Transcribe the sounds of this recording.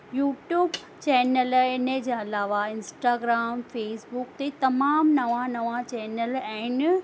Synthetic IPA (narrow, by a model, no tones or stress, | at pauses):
juːʈjuːb | t͡ɕɛːnəlɪnəd͡ʑẽɐlaːʋaɪ̃nsʈaːɡɾaːmfeːsbukt̪et̪ɐmaːmnɐʋãnɐʋãt͡ɕɛːnəlɛ̃ːn